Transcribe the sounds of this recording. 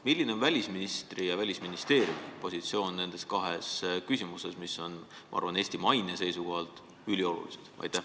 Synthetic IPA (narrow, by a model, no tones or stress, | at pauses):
milʲːine̞onvælʲisminist̪rijɑvælʲisminist̪e̞ːɾjumpo̞sit̪sio̞ːnːe̞nd̪̥e̞skɑɦe̞skysʲimuse̞smiso̞nmɑɑ̰rvɑne̞ːst̪imɑjnese̞jsuko̞ɦɑlt̪ˑ | ylʲio̞lṵlḭsed̪̥ɑ̰jt̪ːˑæh